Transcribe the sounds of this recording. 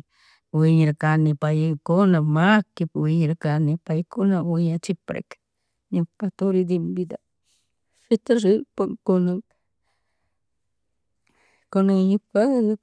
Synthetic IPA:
wiɲiɾakanipajikonamakipwiɲɾakanipajkonawiɲat͡ʃipɾḛk | ɲikat̪uɾid̪imbid̪a | fit̪aɾipaŋkona | konaɲipann

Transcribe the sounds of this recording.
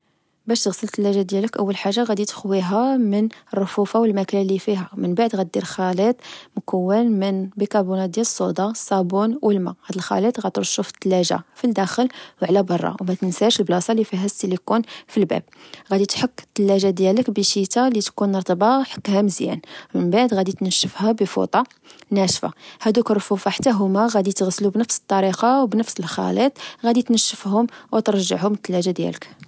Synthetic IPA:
bæʃt̪əɣsəlt̪ːəlːæʒad̪jæləkʔəwːəlħaʒːaɣæd̪it̪ə̥xwiɦæmənərˤːofufawəlmæklælifiɦæmənbaʕd̪ɣæt̪̚d̪iɾxælit̪ˤmkəwːənmənbikɑbunæd̪jæləsˤːod̪ɑsˤːɑbunwʔəlmæɣæd̪əlxæ̰lit̪ɣæt̪əɾt̪ʃufə̥t̪ːəlːæʒa̰fild̪æxəlwʕlæbɑrˤːɑ̰wmæt̪ənsæʃəlblɑsˤɑlifiɦæst̪ilikunfilbæ̰b̚ɣæd̪it̪ħəkːə̥t̪ːəlːæʒad̪jæləkbəʃit̪alit̪kunɾt̪ˤbɑħə̥kːhæməzjæ̰nmənbaʕd̪ɣæd̪it̪nəʃːəfhæbəfṵt̪ˤɑ | næʃfa̰hæd̪ukɾˤfufɑħḁt̪ːæɦʊmæɣæd̪it̪əɣslubnəfsə̥t̪ˤːɑɾiqɑwbnəfsəlxɑ̰lit̪ˤɣæd̪it̪nəʃːəfɦʊmwt̪əɾˤʒəʕhʊmt̪ːəlːæʒad̪jæ̰lək

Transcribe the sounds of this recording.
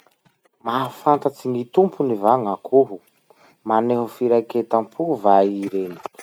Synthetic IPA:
mafant̪at͡siŋit̪umpʰunivaŋakʰuɦu | maneɦufiɾajket̪ampʰuvaiɾeni̥

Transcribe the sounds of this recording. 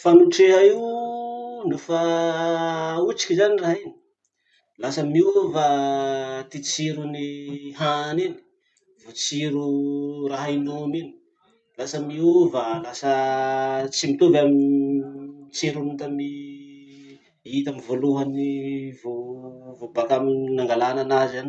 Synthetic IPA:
fanuʈ͡ʂeɦaiw | nufa | ut͡si̥kʲzaniraɦini̥ | lasəmiuva | t̪it͡siɾuniɦanini̥ | v̥ot͡siɾuraɦainomini̥ | lasəmiuvalasə | t͡simit̪uvami | t͡siɾunut̪ami | it̪amivoluɦanivovobak̪aminaŋɡalananazan

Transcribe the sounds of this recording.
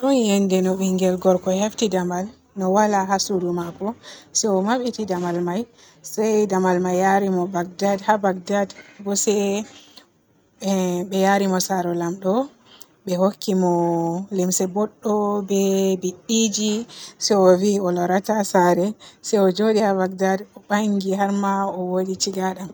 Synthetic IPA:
ɗujɛndɛnɔɓiŋɡɛlɡɔɾkɔheftidamal | nɔwalaɦasudumakɔsɛɔmaɓitidamalmaj | sɛjdamalmajːaɾimɔbaɡ̚dadhabaɡ̚dadbɔsɛ | bɛjaɾimɔsaɾɔlamɗɔ | bɛhokʰːimɔlimsɛbɔɗːɔbɛbiɗid͡ʒisɛɔviɔlɔɾatasaɾɛsɛjɔd͡ʒodihabaɡ̚dadɔbaŋɡiɦaɾmaɔwoɗit͡ʃiɡaɗam

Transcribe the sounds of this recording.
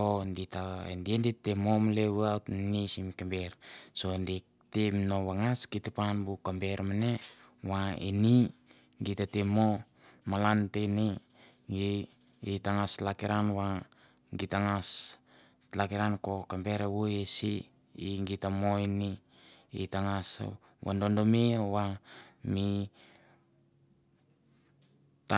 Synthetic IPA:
onditaḛndienditːemomleβeawtnisimkambeɾsoendik | temnoβaŋaskitepanbukambeɾmane | waini | ŋɡitatemo | malanteni | ɡi | itaŋaslakiɾanwa | ŋɡitaŋas | lakiɾanko̞kambeɾewojesi | iŋɡitamoini | ḭtaŋas | wa̰ndondomewami | t

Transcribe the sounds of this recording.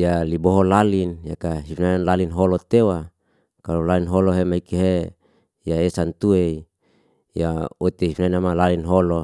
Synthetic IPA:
jaliboɦolalinjakaɦifnanlalinɦolot̪ewa | kalolalinɦoloɦemaikiɦe | jaesant̪uei | jaot̪eɦifnajnamalalinɦolo

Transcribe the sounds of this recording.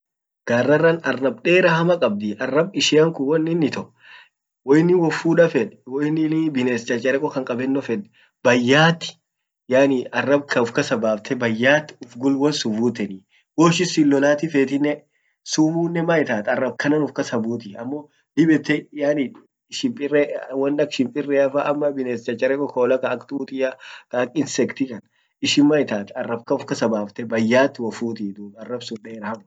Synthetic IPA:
ɡ̥aːrːɐrːɐnɐrːɐbᶑe̞ːɾɐhɐmɐkʼɐb̚d̪ɪɐrːɐbɪʃɪɐŋkʊwɔnːɪnːɪt̪ɔ | wɔjɪnːɪwɔfuːᶑɐfɛᶑwɔɪnːɪnɪbɪneːst͡ʃʼɐt͡ʃʼɐɾɛkʼɔkɐŋkʼɐbɛnːɔfɛᶑɛ̥ | bɐjːaːt̪ːɪ̥ | jaːnɪɐrːɐbkʰɐʊfkɐsɐbaːft̪ʰɛbɐjːaːt̪ːʊfɡʊlwɐnsʊbuːt̪ɛni | woːʃɪsɪlːɔlaːt̪ɪfeːt̪ɪnːɛ | sumuːnːɛmajɪt̪aːt̪ɐrːɐbkɐnɐnʊfkɐsɐbuːt̪̬ɪɐmːo | d̪ɪbɛt̪ːɛjaːni | ʃɪmpʼɪrːɛwɐnːɐkʃɪmpʼɪrːɛɐfaʔɐmːɐbɪneːst͡ʃɐt͡ʃʼːɐɾɛkɔkoːlɐkɐːkt̪uːt̪ɪjakɐːkɪnsɛkt̪ɪkɐn | ɪʃɪnmɐjt̪aːt̪ɐrːɐb̚kɐʊfkɐsɐbaːft̪ɛbɐjːaːt̪ːɪwɐfuːt̪ɪd̪uːbɐrːɐbsʊnᶑɛɛɾaɐmʊ

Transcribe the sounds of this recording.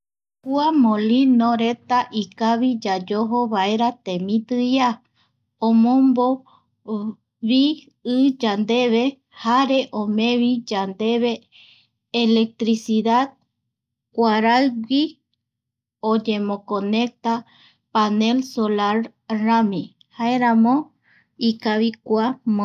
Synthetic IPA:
huamõlinoɾe̞t̪aʔikaβid͡ʒad͡ʒoɦoβae̞ɾat̪ẽ̞mĩt̪ɨja | õmõmbo | βi | ɨd͡ʒand̪e̞βe | haɾe̞ʔõmẽ̞βid͡ʒand̪e̞βe̞ː | lek̚t̪ɾisiðad̪̚ | kʷaɾajwi | od͡ʒe̞mõkõne̞k̚t̪a | pane̞lsolaɾ | ɾamĩ | haeɾãmõ | ikaβikʷam

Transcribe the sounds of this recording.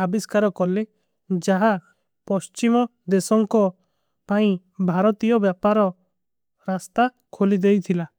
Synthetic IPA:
abiskaɾɔkɔle | d͡ʒaɦa | pɔst͡ʃimɔd̪esɔŋkɔ | paĩ | bʱaɾɔt̪ijɔbjapaɾɔ | ɾast̪a | kʰolid̪ejt̪ʰila

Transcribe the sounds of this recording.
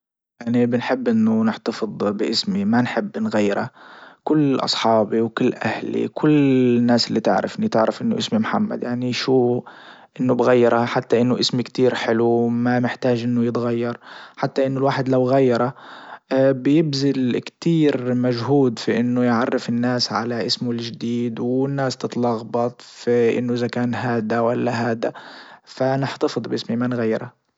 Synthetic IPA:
jaʕnibɪnħɪbːʔɪnːʊnɪħt̪ɑfɨd̪ˤbɪʔɪsmimanħɪbːnɣajːɪɾa̰kʊlːʔɑ̰sˤħɑːbiwkʊlːʔahlḭkʰʊlːnːaːsʔɪlːit̪ɪ̰ʕɾɪ̰fʔnit̪ɪʕɾɪfʔɪnːʊ̰ʔɪsmimħamːa̰d̪jaʕniʃuː | ʔɪnːʊbɣajːɪɾˤaħat̪ːaʔɪnːʊʔɪsmikt̪iːɾħɪlumanɪħt̪aːd͡ʒʔɪnːʊjɪt̪ɣajːɑɾˤħat̪ːaʔɪnːʊlwaːħɪd̪lawɣajːɑɾˤɑ | bɪjɪbzɪlkt̪iːɾmaʒɦuːd̪fiʔɪnːʊjʕɑrˤːɪfɪnːaːsʕa̰laʔɪsmʊlʒd̪iːd̪wɪnːaːst̪ɨt̪ˤlɑɣbɑt̪ˤfiʔɪ̰nːʊʔɪzakaːnɦaːd̪awalːaɦaːd̪afanɪħt̪ɑfɨd̪ˤbʔɪsmimanɣajːɪɾa

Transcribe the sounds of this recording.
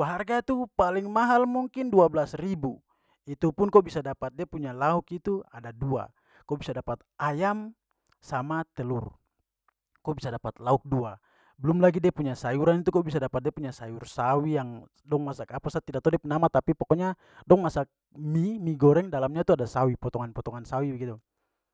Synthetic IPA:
aɦarɡat̪upaliŋmaɦalmuŋkinduablasribu | it̪upunkɔbisadapat̪̚diapuɲalaukit̪uadadua̰ | kɔbisadapat̪̚ʔajam | samat̪ɛlur | kɔbisadapat̪lauk̚dua | bəlumlaɡidiapuɲasajuɾanit̪̬ukɔbisadapat̪̚diapuɲasajursawijaŋ | dɔŋmasakapasat̪ːidak̚t̪ɔdɛpunamat̪apipɔkɔɲa | dɔŋmasak̚ | mimiɡɔɾɛŋdalamɲat̪uadasawipɔt̪ɔŋanpɔt̪ɔŋansawibɛɡit̪u

